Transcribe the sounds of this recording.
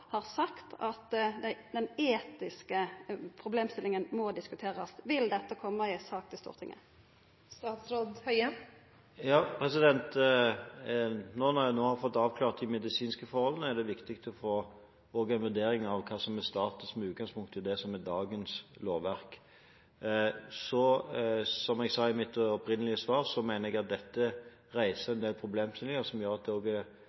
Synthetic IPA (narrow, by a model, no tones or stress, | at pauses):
hɑʁsɑkt̪ɑt̪d̪ɛd̪ɛneːt̪ɪskəpʰʁʊbleːmst̪ɪlɪŋənmɔd̪ɪskʉt̪ʰeːʁɑsʋɪld̪ɛt̪ːəkʰɔmːəɪsɑːk̚t̪ʰɪst̪ṵːʁt̪ʰɪ̰ŋʔə̰ | st̪ɑːt̪sɾod̪hœʏə | jɑːpʰɾɛsɪd̪ɛnt̪ | nɔnɑjænoːhɑʁfɔt̪ːɑːʋkʰlɑːʁt̪d̪ɪmɛd̪ɪsiːnskəfɔɾhɔlənəæʁd̪ɛʋɪkt̪ɪk̚t̪ʰɔfoː | oːɡɛnʋʉd̪eːɾɪŋɑʋkʰɑːsɔmːɛst̪ɑːt̪əsmɛʉːt̪̚ɡɑnspʰʊŋkt̪ʰːɪd̪ɛsɔmɛd̪ɑːɡənsloːʋʋæɾk | sɔ | sɔmɛɡsɑɪmɪt̪ːɔpɾɪnəlɪəsʋɑːɾsɔmæɪnəɾɛɡɑt̪̚d̪ɛt̪ːə | ɾæɪsəɛnd̪eːlpʰɾʊbleːmsɪnɪəsɔmjøːɾɑt̪̚d̪ɛoːɡɛ